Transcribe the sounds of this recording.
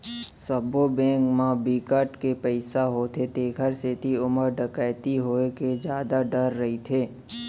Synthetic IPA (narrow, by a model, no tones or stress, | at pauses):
səbobɛ̃ːŋkmãbiːkəʈkepɛɪsaɦot̪ʰet̪eːɡʱəɾset̪iʊməɾɖəkaːt̪iɦoːeked͡ʒjaːd̪aɖəɾːɐɦit̪ʰeː